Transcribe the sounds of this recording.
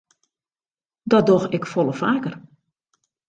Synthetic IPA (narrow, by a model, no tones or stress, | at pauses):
dɔdoxɪkfɔlˠəfaːkər